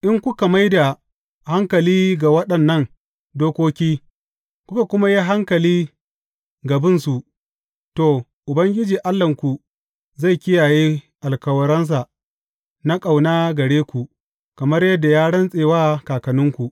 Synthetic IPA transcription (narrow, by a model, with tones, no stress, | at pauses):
ʔɪ˦ŋkʷʊ˦ka˨ma˦jda˨ | ha˦ŋkɐ˨liː˦ɡa˨wɐ˦ɗɐ˨nːɐ˦˨ŋ | doː˦kʷoː˦kʲiː˦ | kʷʊ˦ka˨kʷʊ˦ma˦ji˦ɦa˦ŋkɐ˨liː˦ | ɡɐ˨bɪ˦nsu˨ʔ | toː˨ | ʔʊ˨bɐ˦ŋɡʲɪ˦d͡ʒiː˨ʔa˦lːɐ˨ŋkʷu˨ | za˦˨jkʲɪ˦jaː˨jeː˦ | ʔa˨lkɐ˦wɐ˨ɾɐ˦ns̬a˨ | na˦kʼa˨wnaː˦ɡɐ˨ɽeː˦kʷu˨ʔ | kɐ˨mɐ˦rjɐ˦dːa˨jaː˦ɽɐ˦nsʼeː˨waː˦kaː˨kɐ˨nʊ˦ŋkʷu˨ʔ